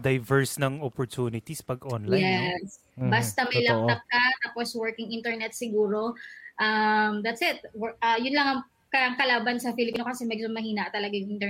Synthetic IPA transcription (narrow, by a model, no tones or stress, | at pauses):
d̪ɐjvɛɹsnɐŋɔpɔɹt̪uːnɪt̪ispɐɡʔonljɛs | bɐst̪ɐmɐjlɐb̚t̪ɐk̚kɐt̪aːposwɛɹkɪŋʔɪ̃nt̪ɛɹnɛt̪̚sɪɡuːɾo̞ʔɐmd̪ɐt̪sɪt̪̚wʔɐjʊnlɐŋɐŋ | kɐɐŋkɐlaːbɐnsɐfilɪpnokɐsɛmɛɡ̚d͡ʒoŋmɐhiːnɐʔt̪ɐlɐɡajŋʔɪnt̪ɛ